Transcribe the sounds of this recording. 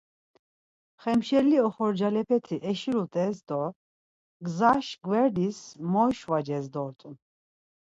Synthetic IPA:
χɛmʃɛliɔχɔɾd͡ʒalɛpʰɛt̪ʰiʔɛʃiɾut̪ʼɛsd̪ɔ | ɡzaʃɡwɛɾd̪ismɔʃvad͡ʒɛsd̪ɔɾt̪ʼun

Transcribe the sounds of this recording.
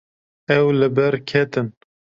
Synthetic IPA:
ɛwlɨbɛɾkʰɛt̪ɨn

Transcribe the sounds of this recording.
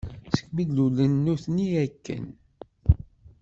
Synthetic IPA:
sə̥kmidlulənːuθniækːə̰n

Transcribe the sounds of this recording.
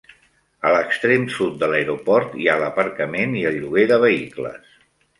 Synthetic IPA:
ələkst̪ɾemsut̪̚d̪ələeɾupɔɾt̪ialəpəɾkəmeniəlʎuɣ̞eðəβ̞əiklə̰s

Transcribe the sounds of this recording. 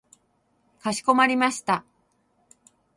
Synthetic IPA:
kaɕi̥ko̞maɾʲimaɕi̥t̪a

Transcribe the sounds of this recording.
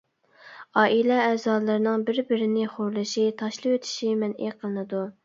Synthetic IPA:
ɑːʔilɛɛːzɑːlˠɨɾɨnɨŋbɪɾbɪɾɪnɪχoɾlˠɨʃit̪ʰɑʃlˠɨpwøt̪ʰɪ̥ʃimɛnḛqʰəlˠɨnɨd̪u

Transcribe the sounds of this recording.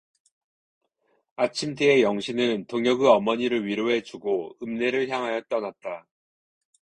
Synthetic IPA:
at͡ɕʰimteejʌŋɕʰinɯntoŋjʌɡɯʌmʌɲiɾɯɭɥiɾoɦe̞t͡ɕuɡoɯmne̞ɾɯɭçjaŋɦajʌt͈ʌnat̚t͈a

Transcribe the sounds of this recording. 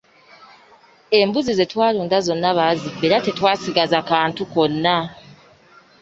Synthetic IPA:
e̞mbuzize̞twaːluːndazo̞nːaβazibe̞ːɾate̞twaːsiɡazakaːntuko̞nːa

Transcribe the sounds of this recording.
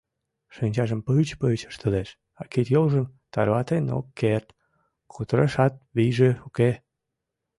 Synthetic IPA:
ʃinʲt͡ɕɑʒəmpət͡ɕpət͡ɕə̥ʃt̪əleʃ | ɑkit̪jolʒəmt̪ɑɾβɑt̪eno̰kːert̪ | kʰot̪əɾəʃɑt̪̚βijʒeuke

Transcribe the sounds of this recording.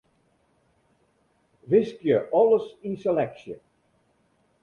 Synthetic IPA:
ʋɪskjəʔɑləsɪnsɛlɛksjə

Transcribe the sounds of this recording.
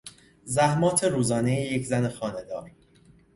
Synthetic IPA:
zæhmɒːt̪ʰe̞ɾuːzɒːnejeje̞cʰzænexɒːne̞d̪ɒːɾ

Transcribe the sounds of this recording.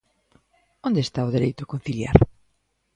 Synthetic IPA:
ond̪est̪aʊðeɾejt̪ʊkon̟θilja̰ɾ

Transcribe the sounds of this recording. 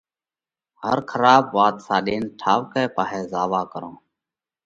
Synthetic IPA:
hə̰ɾkʰəɾaːbʋaːt̪saːɗeːnʈʰaːʋkɛːpaːɦeːzaːʋaːkəɾõː

